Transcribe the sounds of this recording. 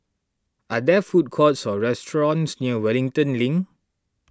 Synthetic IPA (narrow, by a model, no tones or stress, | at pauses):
ʔadɛfut̚kʰɔtsɔɹɛstɹɔ̃nsniəwɛlĩŋtə̃nlĩŋ